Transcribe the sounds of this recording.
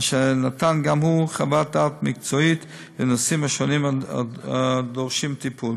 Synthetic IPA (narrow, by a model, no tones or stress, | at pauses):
ʃɛnatanɡamhuχabat̚daːtmɪk̚t͡sɔit | vɪnɔsimaʃɔnima̰ | dɔʁʃimtipʰul